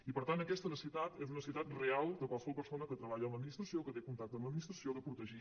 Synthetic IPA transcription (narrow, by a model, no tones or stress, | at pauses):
ipəɾt̪anəkɛst̪ənəsit̪at̪ezunəsiuwt̪at̪realˠd̪əkwalˠsəβɔlˠpəɾsonəkət̪ɾəβaʎəːmbəd̪minist̪ɾəsiokət̪ekunt̪ak̚t̪əməd̪minist̪ɾəsioðəpɾut̪əʒi